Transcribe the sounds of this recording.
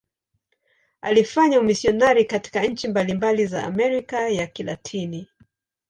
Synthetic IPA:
a̰lifaɲaumisiɔnaɾikati̥kaɲ̩t͡ʃimbalimbaliza̰ːmɛɾikajakila̰tʰini

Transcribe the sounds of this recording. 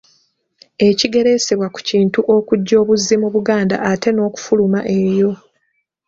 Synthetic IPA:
e̞ciɡe̞ɾe̞se̞βwaku̥ciːntuʔo̞kuɟːo̞ːβuzːimuβuɡaːnda̰ate̞no̞ːku̥fulumaʔe̞jo̞

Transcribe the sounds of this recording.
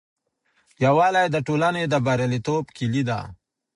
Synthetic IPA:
jawaːlajd̪əʈuːlaned̪əbaɾelit̪oːbkilid̪a̰

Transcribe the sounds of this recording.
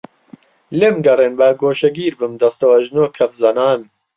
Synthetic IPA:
lemɡɐreːnbɐːɡoːʃɐɡiːɾbɨmd̪ɐst̪ɐwɐʒnoːkʰɐfzɐnaːn

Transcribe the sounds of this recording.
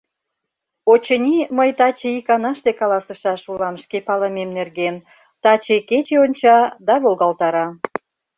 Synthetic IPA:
ot͡ɕənʲiməjt̪ɑt͡ɕeikɑnɑʃt̪ekɑlɑsəʃɑʃulɑmʃkepɑləmemnerɣen | t̪ɑt͡ɕeket͡ɕeonʲt͡ɕɑd̪ɑβolɣɑlt̪ɑɾɑ

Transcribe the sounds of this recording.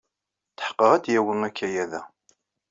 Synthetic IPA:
θə̥ħqːəʁæd̪jæwənækʰːæjæðæ

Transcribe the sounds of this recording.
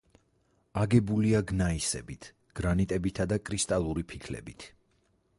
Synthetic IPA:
aɡɛbuliaɡnaisɛ̰bit̪ʰ | ɡ̥ɾanit̪ʼɛbit̪ʰad̪akʼɾist̪ʼalˠuɾipʰikʰlɛ̰bit̪ʰ

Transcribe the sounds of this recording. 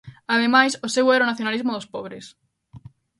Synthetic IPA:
aðemajsʊsewɛɾaʊnaθjonalizmʊðospɔβɾes

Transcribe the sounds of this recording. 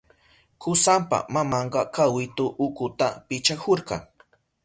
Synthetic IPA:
kʊsampa̰mamɑɴɢɑkawɪt̪ʊʔʊkʊt̪apɪt͡ʃakoɾɢɑ̰ŋ

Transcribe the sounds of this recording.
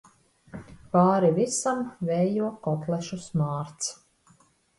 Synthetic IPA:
paːɾivisamvɛːjuɔkɔt̪lˠɛʃusmaːɾt̪s

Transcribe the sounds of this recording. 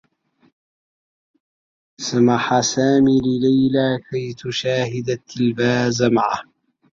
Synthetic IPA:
samaħasaːmililajlakajt̪uʃaːhɪd̪at̪ʰːɪlbaːzamaʕa̰

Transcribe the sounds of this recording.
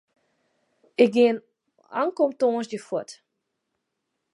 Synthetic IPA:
ɪk̚ɡɪən | a̰ŋkomtoənsdəfwɔt

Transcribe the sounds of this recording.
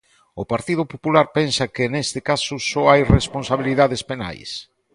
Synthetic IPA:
ʊpaɾt̪ið̞ʊpopulaɾpensɐkɪnest̪ɪkasʊsɔajresponsaβ̞iliðaðespena̰js

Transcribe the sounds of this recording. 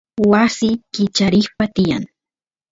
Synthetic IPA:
wasɪkɪt͡ʃaɾɪχpat̪ɪja̰ŋ

